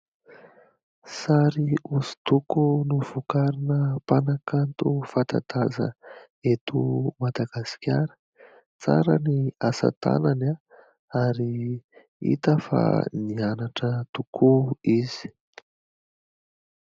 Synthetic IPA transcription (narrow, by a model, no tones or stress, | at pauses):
saɾiuzi̥t̪ukunuv̥ukaɾinəpanakant̪ufat̪a̰t̪azə̰ | et̪umad̪aɡ̥asi̥kʲaɾə̥ | t͡sa̰ɾəniasa̰t̪a̰nana | aɾi | ḭt̪əfa̰nianaʈ͡ʂət̪ukʰuiz̥i̥